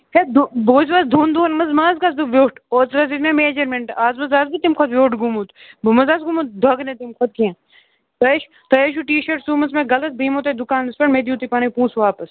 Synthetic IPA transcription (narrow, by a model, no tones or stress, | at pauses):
hed̪uboːzʋasd̪ʱuːnd̪uːnmɐzmãːzkasd̪uʋoːʈoːt͡sɾɐzit̪mẽmeːd͡ʒɐɾmeɳʈaːzmɐzaːzbut̪imkʰɐt̪ʋoːʈɡumut̪bumɐzaːsɡumut̪̚d̪ʱɐɡnẽt̪imkʰɐt̪̚kiãː | t̪ɐeʃ | t̪ɐjeʃ̬uʈiːʃɐɾʈsuːmɐt͡smẽɡɐlɐt̪̚bʱiːmot̪ed̪ukaːnɐspɐɳmed̪iuːt̪ipɐːnɐipũːsʋaːpɐs